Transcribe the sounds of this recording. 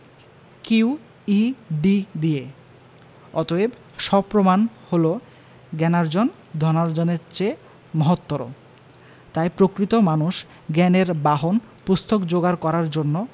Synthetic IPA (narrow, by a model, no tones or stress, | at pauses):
kiw | iɖid̪ie | ɔt̪oeb | ʃɔbpːɾomanholo | ɡɛnaɾd͡ʑon | d̪ʱɔnaɾd͡ʑonet͡ɕe | mɔɦot̪ːoɾo̰ | t̪ajpɾokɾit̪omanuʃ | ɡɛneɾbaɦon | pust̪ʰokd͡ʑoɡaɾkɔɾaɾd͡ʑonːo